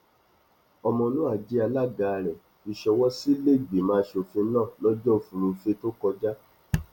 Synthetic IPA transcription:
ɔ˧mɔ̃˧nũ˨˦a˦˨d͡ʒi˨˦a˧la˦˨ɡa˨ɾɛ˨ | i˧ʃɛ˧wɔ˦si˦le˦˨ɡ͡be˨mãː˨˦˧ʃo˧˨fĩ˧n̩˦nãː˦˨lɔ˦d͡ʒɔ˦˨fũ˨˧ɾ̃ũ˧fe˦to˦kɔ˧d͡ʒa˦

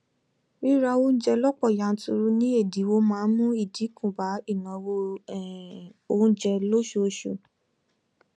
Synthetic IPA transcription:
i˦ɾa˧õ˦d͡ʒɛ˧lɔ˦k͡pɔ˦˨ja˨n̩˦tu˧ɾu˦nĩ˦e˦˨di˨˦wo˦mãː˦˧˦mũ˦i˦˨di˨˦kũ˦˨ba˨˦i˦˨nã˨˦wo˧˨ | o˧ũ˦d͡ʒɛ˧lo˦ʃo˧ʃṵ˨

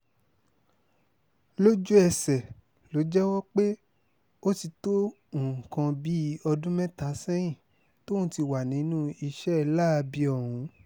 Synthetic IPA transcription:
lo˦d͡ʒu˦ɛ˧sɛ˨ | lo˨˦d͡ʒɛ˦wɔ˦k͡pe˦ | o˦ti˧tõ˦˨ | kã˧bi˦ɔ˧dũ˦mɛ̃˦ta˨˦sɛ̃˦jĩ˦˨ | to˦ũ˦ti˧wa˨nĩ˨˦nũ˦i˧ʃɛ˦˧la˦˧bi˧ɔ˨ɾ̃ũ˨˧˦

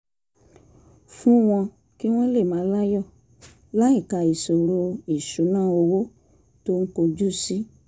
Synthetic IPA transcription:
fũ˦w̃ɔ̃˧ | ki˦w̃ɔ̃˦le˦˨mãː˨˦la˦jɔ˦˨ | la˦i˦˨ka˨˧˨i˨so˨ɾo˧i˨ʃu˨˦nãː˦˨o˧wo˦ | to˦ŋ̩˦ko˧d͡ʒu˦si˦

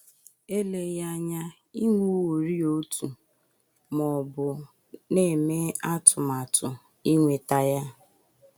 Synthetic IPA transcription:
e˦le˨ja˦ɲa˦ | i˦ŋʷu˦wo˨ɾi˦o˦tu˨ | mɔ˨bʊ˨ | ne˦˨me˦a˦tʊ˨ma˨tʊ˨ | i˦ŋʷe˨ta˦ja˦

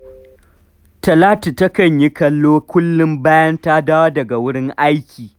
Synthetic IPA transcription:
tɐ˨laː˦ti˨tɐ˦kɐ˨ɲji˦kɐ˦lːoː˦kʷʊ˦lːʊ˦mbaː˦jɐ˦ntaː˦daː˦waː˦dɐ˨ɡa˨wʊ˦ɽɪ˦ŋʔa˦jkʲʰiː˨

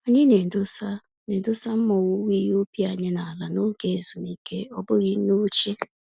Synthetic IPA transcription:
o˨ɲɪ˦ne˨dʊ˦sa˦ | ne˨dʊ˦sa˦m̩˦mɔ˨wu˦wi˦o˦pi˦a˨ɲɪ˦na˨a˨la˨no˦ke˦˨˦zu˨ni˨kḛ˦ɔ˦bʊ˦ɣi˦nu˦t͡ʃe˦

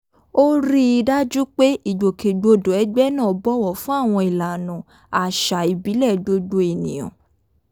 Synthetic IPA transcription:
o˦ɾi˦˧da˦d͡ʒu˦k͡pe˦ʔi˦˨ɡ͡bo˨kʰe˨ɡ͡bo˧do˨ɛ˨˦ɡ͡bɛ˦nã˦˨ɔ˨bɔ˦wɔ˨fũ˦a˦˨w̃ɔ̃˧i˨la˨nũ˨ | a˨ʃa˨i˨bi˨˦lɛ˦˨ɡ͡bo˧ɡ͡bo˧˦e˨nĩ˨j̃ɔ̰̃˨

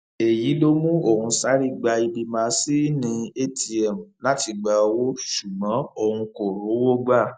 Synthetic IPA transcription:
e˨ji˨˦lo˦mũ˦o˦˨ɾũ˧sa˦ɾi˦ɡ͡ba˧i˧bi˧mã˧si˦nĩ˧e˦ti˧ɛ˨m̩˨la˦ti˧ɡ͡ba˧˦˧wo˦ʃu˨ɡ͡bɔ̃˨˦o˧hũ˧ko˨ɾo˨˦wo˦ɡ͡ba˦˨

